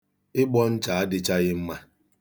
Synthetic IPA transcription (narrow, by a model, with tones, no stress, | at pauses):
ɪ˦ɡ͡bɔ˦n̩˦t͡ʃa˨a˦dɪ˦t͡ʃa˦ɣɪ˦m̩˦ma˦